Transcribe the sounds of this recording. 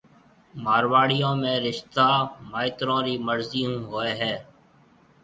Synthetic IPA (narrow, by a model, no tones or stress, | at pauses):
maːɾʋaːɽijõːmẽːɾɪʃt̪aːmaːɪt̪ɾõːɾiːməɾziːɦũːɦoːeːɦɛː